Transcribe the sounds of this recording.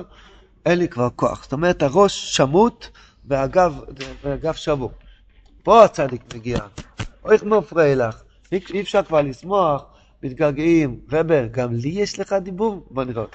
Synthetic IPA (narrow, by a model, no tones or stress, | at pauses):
enlikvaʁko̞a̰χst̪o̞meʁethaʁo̞ʃːamut̪ | beaɡavbeɡafʃavu | po̞at͡sad̪ikmeɡiaoiχmafʁelaχ | hiifʃaʁkvaʁlismo̞aχ | mit̪̚ɡaɡimvebeɡamlijeʃleχad̪ibuvboniʁeot̪